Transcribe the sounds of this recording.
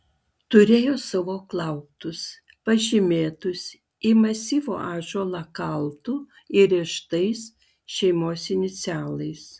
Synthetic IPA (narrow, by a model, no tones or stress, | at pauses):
t̪ʊɾʲeːjoːsɑʋoːklˠɐʊpt̪ʊs | pɐʒʲɪmʲeːt̪ʊs | iːmɐsʲiːʋo̰ːʔɑːʒoːlˠɐkɐlˠt̪uː | ɪɾʲiːʃt̪ɐɪs | ʃʲɛɪmoːsɪnʲɪt̪sʲæːlˠɐɪs